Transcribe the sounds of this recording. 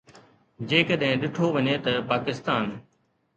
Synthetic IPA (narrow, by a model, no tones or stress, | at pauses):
d͡ʑeːkəɗɦɪ̃ɗɪʈʰoʋɐɲeːt̪ɐpaːkɪst̪aːn